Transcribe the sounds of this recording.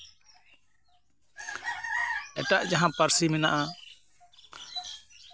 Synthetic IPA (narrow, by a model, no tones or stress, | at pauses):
ɛʈaʔd͡ʒaɦãpəɾsimɛna̰ʔa